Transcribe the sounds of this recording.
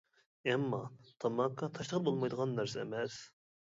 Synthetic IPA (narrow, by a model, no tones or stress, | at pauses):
ɛmːɑt̪ʰɑmɑkʰːɑt̪ʰɑʃləʁəɾbolˠmɑjd̪əʁɑnːæɾsɛɛ̰mɛs